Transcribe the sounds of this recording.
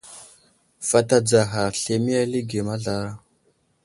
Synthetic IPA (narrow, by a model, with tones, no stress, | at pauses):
fa˨ta˨d͡za˨ɦa˨ɬe˨mi˦ja˦li˦ɡe˨ma˦ɮa˨ɾa˦